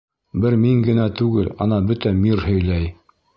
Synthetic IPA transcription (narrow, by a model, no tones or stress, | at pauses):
bɘɾmiŋɡɘ̆næt̪ʉɡɘlɑnɑbɵt̪æmiɾhɵ̆jlæj